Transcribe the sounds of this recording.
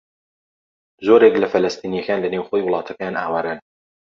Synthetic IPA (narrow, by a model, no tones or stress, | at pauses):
zoɾeklɐfɐlɐst̪ʰiːnijɐkaːnlɐnewxojwʊlˠɑːt̪ʰɐkajanaːwaːɾan